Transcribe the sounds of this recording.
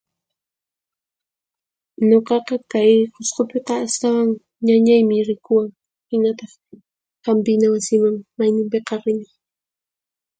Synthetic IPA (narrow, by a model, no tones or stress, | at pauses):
ɲoqɑqɑkajhosqopeqɑːst̪awaŋ | ɲaɲajmɪɾɪkʊwaŋ | hɪnat̪ɑχ | qampɪnawasɪmaŋmajnɪmpeqɑɾɪnɪ